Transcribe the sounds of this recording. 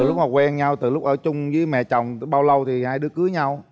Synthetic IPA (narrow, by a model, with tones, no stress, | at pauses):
ɨ˨˩lʊ˦˥k͡p̚maː˨˩kwɛ˧nɲa˧wt̪ɨ˨˩lʊ˦˥k͡p̚ʔəː˧˩t͡ɕʊ˧ŋ͡mzɨː˨˦jmɛ̰˧˨t͡ɕɔ˨˩wŋ͡mɓaː˧wlə˧wt̪ʰi˨˩haː˧jɗɨ˨˦əkɨ˨˦ɲa˧w